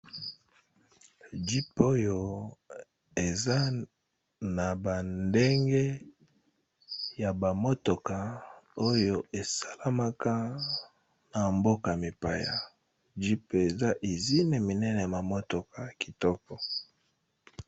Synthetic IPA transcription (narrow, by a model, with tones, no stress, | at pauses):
d͡ʒi˦po˦jo˦ | e˨za˦ | na˨ba˨nde˦ŋɡe˦ | ja˨ba˨mo˦to˨ka˨o˦jo˦ʔe˨sa˦la˦ma˦ka˦ | na˨mbo˦ka˨mi˨pa˨ja̰˨ | d͡ʒi˦pe˨za˦ʔe˨zi˦ne˨mi˨nɛ˦nɛ˨ja˨ma˨mo˦to˨ka˨ki˨tɔ˦kɔ˨